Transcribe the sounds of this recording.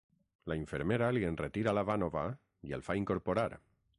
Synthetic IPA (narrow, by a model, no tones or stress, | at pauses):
laiɱfeɾmeɾalienret̪iɾalaβanoβa | iḛlfaiŋkoɾpoɾaɾ